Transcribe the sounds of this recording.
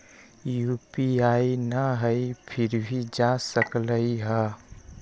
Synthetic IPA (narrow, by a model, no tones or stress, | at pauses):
jupiainəɦəipʰɪɾbʱid͡ʒasəkləiɦə